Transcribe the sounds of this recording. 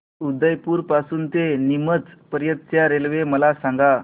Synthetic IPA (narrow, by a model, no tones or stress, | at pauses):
ud̪əjpuːɾpasuːnt̪enimət͡spəɾjət̪̚t͡ɕjaɾelʋeməlasaŋɡa